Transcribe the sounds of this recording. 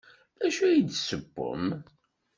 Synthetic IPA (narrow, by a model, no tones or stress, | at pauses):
æʃujid̪səbːʊ̰m